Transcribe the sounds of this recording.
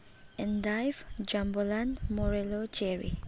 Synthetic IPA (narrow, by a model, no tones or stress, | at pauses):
ɛ̃ndajfd͡ʒãmbəlãnmɔɹɛlod͡ʒɛɹḭ